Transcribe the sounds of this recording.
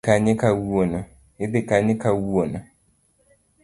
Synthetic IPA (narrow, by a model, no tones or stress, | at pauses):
kaɲɛkawuonʊ | ɪbɪkaɲɪkawuonʊ